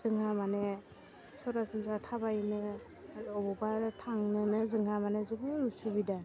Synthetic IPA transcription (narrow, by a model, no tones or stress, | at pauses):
z̥ɯŋɦamane | sɔɾasɯnsatʰabajnɯ | ɔbɔbaɾtʰaŋnɯnɯzɯŋɦamanezɯŋɯɾusubida